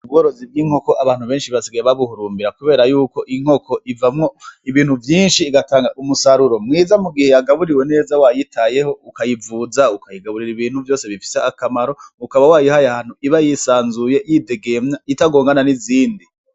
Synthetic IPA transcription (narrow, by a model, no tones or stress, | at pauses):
ub̚ɡoɾo̞zibɡiːŋ̥ho̞ko̞ʔaβaːn̥huβeːnʃiβasiɡajeβaβuhuɾuːmbiɾakuβe̞ːɾajuːko̞ʔiŋ̥o̞kʰo̞ʔivamŋo̞iβiːnhuvjiːnʃiːɡataːŋɡaʔumusaɾuɾo̞mŋiːzamuɡihe̞jaɡaβuɾiwe̞ne̞ːzawajitʰaje̞ho̞ukajivuːzaukajiɡaβuɾiɾiβiːn̥huvjo̞ːse̞βifi̥seakamaɾo̞ukaβawaːjihajahaːn̥uiβajisaːnzuje̞jite̞ɡe̞mɲaitaɡo̞ːŋɡananiziːndi